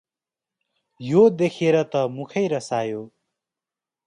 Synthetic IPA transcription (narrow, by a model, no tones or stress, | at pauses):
jod̪ekʰeɾʌt̪ʌmukʰʌjɾʌsajo